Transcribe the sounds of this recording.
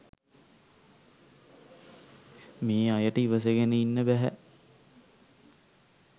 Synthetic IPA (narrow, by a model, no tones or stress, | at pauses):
meːajəʈəiʋəs̬eɡenəinːəbæɦæ̰